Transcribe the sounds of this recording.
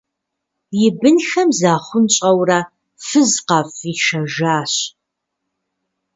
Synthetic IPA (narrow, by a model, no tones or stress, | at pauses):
jɪbɨnxɐmzaːχʷʊnt͡ʃʼɐwrɐ | fɨzqɐfiʃɐʒaːɕ